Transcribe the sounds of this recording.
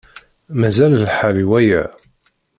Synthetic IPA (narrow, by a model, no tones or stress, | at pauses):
mæzællħaɾiwæjæ̰